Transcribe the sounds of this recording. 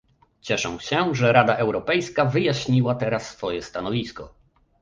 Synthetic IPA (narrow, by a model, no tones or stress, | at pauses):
t͡ɕɛʂɛ̰̃w̃ɕɛʐɛɾad̪aʔɛwɾɔpɛjskavɘjaɕɲiwat̪ɛɾasːfɔjɛst̪anɔvʲiskɔ̰